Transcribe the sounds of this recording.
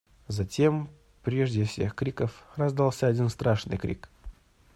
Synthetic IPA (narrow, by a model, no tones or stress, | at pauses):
zɐtʲe̞m | pɾʲeʐdʲɪfsʲe̞xkɾʲikəfrɐzd̪alˠsʲəɐdʲinst̪ɾaʂnɨ̰jkɾʲḭk